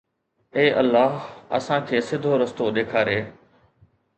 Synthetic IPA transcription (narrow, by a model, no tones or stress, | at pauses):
eːʔɐlːaːɦɐ̰sãːkʰeːsɪd̪ʱːoɾɐst̪oɗeːkʰaːɾeː